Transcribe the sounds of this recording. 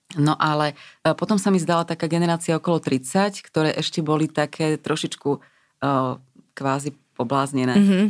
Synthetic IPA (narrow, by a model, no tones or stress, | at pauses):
nɔʔalɛpɔt̪ɔmsamizd̪alat̪akaːɡɛnɛɾaːt͡siaɔkɔlɔt̪ɾit͡sackt̪ɔɾɛːʔɛʃcɛbɔlit̪akʰɛːt̪ɾɔʃit͡ʃkuː | kʋaːzipɔblaːzɲɛnɛː